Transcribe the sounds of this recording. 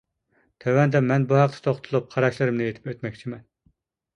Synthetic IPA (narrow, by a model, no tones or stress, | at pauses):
t̪ʰøwɛnd̪ɛmɛnbuhæq̚t̪ʰɛ̥t̪ʰoχt̪ʰulˠup̚qʰɑɾɑʃlˠɨɾɨmnɪjet̪ʰɪ̥pøt̪mɛkʲt͡ʃʰimɛn